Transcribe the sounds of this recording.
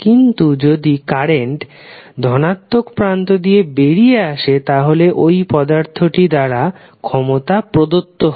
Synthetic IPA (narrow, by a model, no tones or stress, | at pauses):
kint̪ud͡ʑod̪ikaɾeɳʈ | d̪ʱɔnat̪ːokpɾant̪od̪ijebeɽijeaʃet̪aɦoleʔojpɔd̪aɾt̪ʰoʈid̪aɾa | kʰɔmot̪apɾod̪ot̪ːoɦ